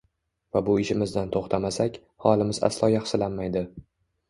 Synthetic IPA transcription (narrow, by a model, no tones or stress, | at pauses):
vabʊɪʃɪmɪzd̪ant̪ʰoχt̪ʰamasakʲ | hɒlˠɪmɪza̰slˠɒjaχsɪlanmajd̪ɪ